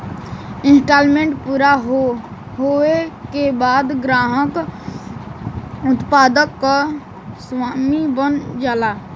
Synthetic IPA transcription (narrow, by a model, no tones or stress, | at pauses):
ɪ̃nsʈaːlmẽɳʈpuːɾaɦ | ɦoekebaːd̪ɡɾaːɦək | ʊt̪paːd̪əkːa | swaːmibənd͡ʒaːlaː